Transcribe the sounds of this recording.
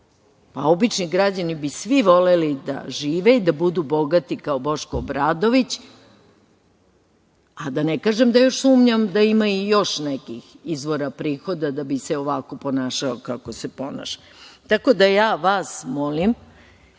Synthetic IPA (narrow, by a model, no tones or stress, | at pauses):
pa̰o̞bit͡ʃniɡɾad͡ʑanibisʋiʋo̞lelid̪a̰ʒiːʋeid̪abud̪ubo̞ɡat̪ikaobo̞ʃkoːbɾaːd̪o̞ʋit͡ɕ | ad̪anekaːʒemd̪ajo̞ʃsuːmɲamd̪aimaijo̞ʃnekixizʋo̞ɾapɾiːxo̞d̪ad̪abiseoʋako̞po̞naːʃaokako̞sepo̞na̰ʃḁ | t̪ako̞d̪ajaːʋaːsmolim